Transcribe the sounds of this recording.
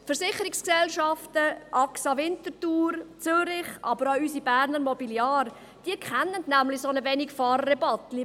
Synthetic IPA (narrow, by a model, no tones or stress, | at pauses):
fəɾsɪχəɾɪksksɛlʃɑftəʔɑksɑvɪntəɾtuːɾt͡søɾɪχʔɑ̰bəɾaysibæːɾnəɾmɔbiljɑːɾ | d̥iəkʰχɛnːəndnæmlɪsonəvɛnɪkfɑːɾːɛbɑtli